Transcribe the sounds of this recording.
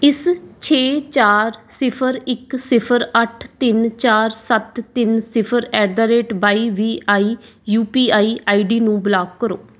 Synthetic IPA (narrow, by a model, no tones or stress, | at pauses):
ɪst͡ʃʰeːt͡ʃaːɾsɪpʰəɾɪksɪpʰəɾəʈʰt̪ɪnt͡ʃaːɾsət̪ːɪnsɪpʰəɾɛːɖaːɾeːʈbaːiːʋiːʔaːiː | juːpiːaːiːʔaːiːɖiːnũːblaːk̚ːəɾoː